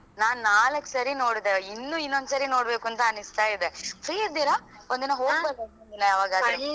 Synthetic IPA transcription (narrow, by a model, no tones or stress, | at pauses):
naːnnaːlɐkːsɐɾino̞ːɽd̪einːuinːond̪usɐɾino̞ːɽbe̞ːkuɐnt̪ɐɐnist̪aːid̪efɾiːiɾd̪iːɾaond̪inːɐɦoːɡbedeɐinɐaːʋaːɡaːd̪ɾe